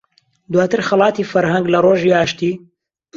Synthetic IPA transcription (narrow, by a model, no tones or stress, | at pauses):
d̪waːt̪ɨɾxɐlˠɑːt̪iːfɐɾhɐŋɡlɐroːʒiaːʃt̪iː